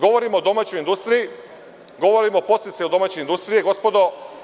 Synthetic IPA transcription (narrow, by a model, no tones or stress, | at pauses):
ɡo̞ʋoɾimoːd̪o̞maːt͡ɕo̞jind̪ust̪ɾiji | ɡo̞ʋo̞ɾimopot̪it̪seod̪o̞maːt͡ɕeind̪ust̪ɾijeɡo̞spo̞d̪o